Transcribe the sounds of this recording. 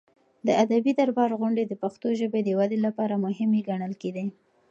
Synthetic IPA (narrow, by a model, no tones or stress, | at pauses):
d̪əad̪abid̪aɾbɑɾɣʊɳɖed̪əpaxt̪oʒəbed̪əwad̪elapɑɾamʊɦɪmeɡaɽəlked̪i